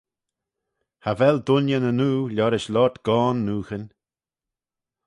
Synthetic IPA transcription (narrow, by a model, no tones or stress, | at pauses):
havɛld̪ʊnjənənuːlɔɾɪʃlɔt̪ɡ̥ɔːnːuːxənʲ